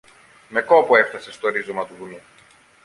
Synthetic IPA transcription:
me̞ko̞pue̞ft̪ɐse̞st̪o̞ɾizo̞mɐt̪uðunu

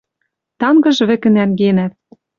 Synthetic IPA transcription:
t̪ɑŋɡɤ̆ʒβɘ̆kɘ̆nænɡenæt̪̚

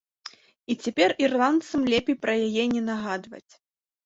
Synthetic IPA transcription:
it͡sʲapʲɛrirlˠant̪sɐmlʲɛpʲejpɾɐjajɛnʲɛnaɣad̪vɐ̰t͡sʲ

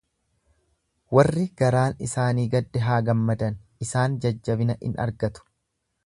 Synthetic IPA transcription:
wɐrːɪɡ̥ɐɾaːnɪ̰saːniːɡɐd̪ːɛɦaːɡɐmːɐd̪ɐnɪsaːnd͡ʒɐd͡ʒːɐbɪnɐʔɪ̰nɐ̰ɾɡɐt̪ʊ̥

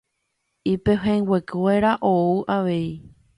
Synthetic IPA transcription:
ipeɦẽŋɡwekɨweɾaʔouʔaʋe̞i

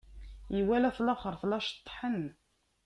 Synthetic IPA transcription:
jiwælæθlɑχəɾˤθlɑʃt̪ˤːħən

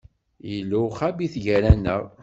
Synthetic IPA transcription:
jəlːuχæbiθʝæɾænəɾˤ

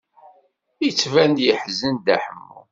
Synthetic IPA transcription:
it͡sːvænd̪jəħzənd̪æ̰ħəmːṵ

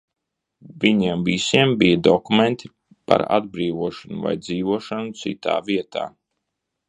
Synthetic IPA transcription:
viɲiɛmvisiɛmbijəd̪ɔkument̪ʰi | pa̰ɾa̰d̪̚bɾiːvuɔʃanuva̰jd̪ziːvuɔʃanut̪sḭt̪a̰ːviɛt̪a̰ː

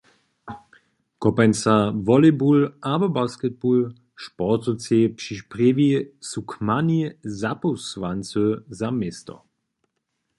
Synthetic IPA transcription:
kɔpansavɔlebulabɔbaskɛd̪̚bul | ʃpɔt̪ot͡sepʂiʃpʁevisukmanizapusʋant͡søzamest̪ɔ̰

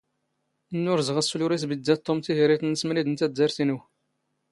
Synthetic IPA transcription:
nːʊɾzʁəsːuluɾisbəd̪ːæt̪ˤːomt̪iɦiɾit̪nəsmnid̪ənt̪æd̪ːæɾθinu

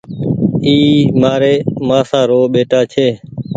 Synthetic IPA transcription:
iːmaːɾeːmãːsãːɾoːɓeːʈaːt͡ʃʰeː

